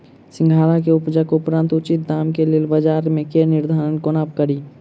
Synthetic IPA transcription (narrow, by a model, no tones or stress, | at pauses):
sɪ̃ŋɡʱaːlakeʊpd͡ʒəkoʊpɾãnt̪ʊt͡ʃɪt̪̚d̪aːmkeleːlbəd͡ʒaːɾmẽkenɪɾd̪ʱaːɾənkonaːp̚kəɾiː